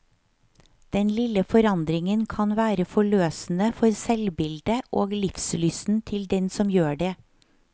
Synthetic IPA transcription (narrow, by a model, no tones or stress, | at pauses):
d̪̥ɛnlɪləfɔɾɑnd̪ɾɪŋənkʰɑnʋæːɾəfɔɭøːsn̩əfɔɾsɛlbɪld̪əʔoːɡlɪfslysn̩t̪ʰɪld̪ɛnsɔmjøːɖeː